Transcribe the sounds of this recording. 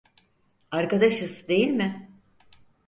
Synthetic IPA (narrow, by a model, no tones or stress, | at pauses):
aɾkad̪aʃɯzd̪e̞jilʲmɪ